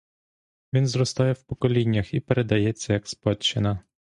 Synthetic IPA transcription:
ʋʲinzrɔst̪ɑjɛwpɔkɔlʲinʲːɐxipeɾed̪ɐjɛt͡sʲːɐjɐkspɔt͡ʃːɪnɐ

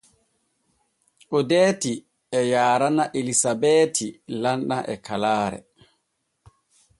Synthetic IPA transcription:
ʔɔdeːti | ɛjaːɾanaʔelisabɛtʰilanɗaʔɛkʰalaːɾɛ̰

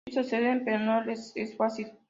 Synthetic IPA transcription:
soseðempeɾonolesesfasil

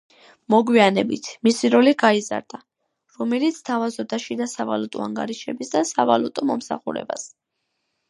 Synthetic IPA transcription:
mɔɡwianɛbit̪ʰmisiɾɔliɡaiza̰ɾd̪a | ɾɔmɛlit̪sʰt̪ʰavazɔbd̪aʃid̪asava̰lut̪ʼɔaŋɡa̰ɾiʃɛbisd̪asava̰lut̪ʼɔmɔmsa̰χṵɾɛ̰ba̰s

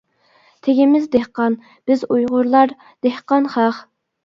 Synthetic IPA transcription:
t̪ʰeɡʲimɪzd̪ehqɑn | b̥ɪzujʁʊɾlˠɑɾ | d̪̥ehqɑnχæχ

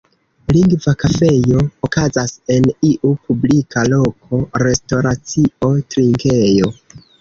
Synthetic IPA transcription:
liŋɡvakafe̞jo̞ːkazase̞niʔupublikʰalo̞kʰo̞ɾe̞sto̞ɾat͡sio̞tɾiŋke̞jo̞

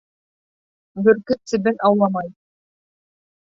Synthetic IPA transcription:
bɵ̆ɾkɘsɘ̆bɘnʔɑwlˠɑmɑj

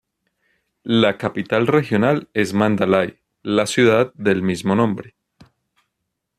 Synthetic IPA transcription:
lakapit̪alre̞xjo̞nale̞zmãnd̪alaj | lasjuðað̚d̪e̞lmizmo̞nõmbɾe

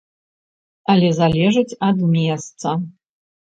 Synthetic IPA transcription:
ɐlʲɛzalʲɛʐɨt͡sʲɐd̪mʲɛst̪sɐ

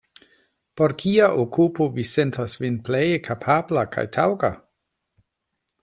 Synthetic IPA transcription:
poɾkʰiaʔokʰupovisentʰasvinplejekʰapʰablakʰa̰jtʰawɡa

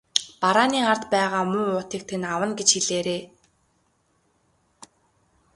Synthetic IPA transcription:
paɾaːniːar̥t̪pæːʁaːmʊːʊːt̪iːk̚t̪ʰĕnawə̆nɡet͡ɕxiɮeːɾeː

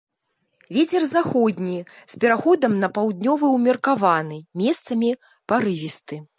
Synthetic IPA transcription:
vʲet͡sʲɛrzaxɔd̪ʲnʲispʲɛɾaxɔd̪ɐmnɐpawd̪nʲɔvɨwmʲɛrkavanɨmʲɛst̪sɐmʲi | paɾɨvʲist̪ɨ

